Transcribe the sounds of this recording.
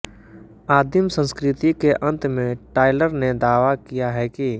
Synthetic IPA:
aːd̪ʱɪmsə̃nskɾɪt̪ikeʔə̃nt̪mẽʈaːɪləɾned̪aːʋakijaɦɛːki

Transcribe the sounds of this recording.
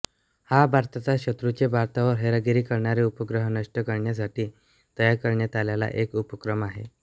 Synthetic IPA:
habʱaɾt̪at͡saɕət̪ɾut͡ɕebʱaɾt̪aʋəɾɦeɾəɡiɾiːkəɾɳaɾeupəɡɾəɦənəʂʈəkəɾɳjas̬aʈiː | t̪əjakəɾɳjat̪aljala̰ʔekupəkɾəmaɦḛ

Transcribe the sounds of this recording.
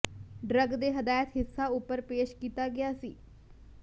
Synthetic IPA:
ɖɾəɡd̪eːɦəd̪aːjət̪ɦɪsːaːʊpːəɾpeːʃkiːt̪aːɡɪjaːsiː

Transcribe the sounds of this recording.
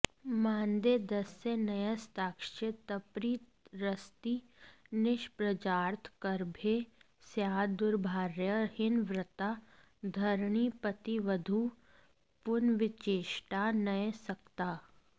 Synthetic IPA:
mãːnd̪ed̪ɐsːenɐjəst̪aːkʃɪt̪ɐpɾiːt̪ɾəst̪i | nɪʃpɾəd͡ʒaːɾt̪ʰkəɾbʱe | sjaːd̪ʊɾbʱaːɾjəhɪnʋɾɪt̪a | d̪ʱɐɾɳipət̪iʋəd̪ʱu | pʊnʋɪt͡ʃeːʃʈanɐesɐkt̪aː

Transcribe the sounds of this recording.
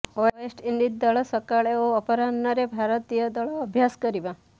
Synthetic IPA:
oesʈind̪it̪̚d̪əɭɔsəkaɭeoːpəɾanːʌɾebʱaɾət̪ijəd̪əɭoəbʱjaskəɾibã

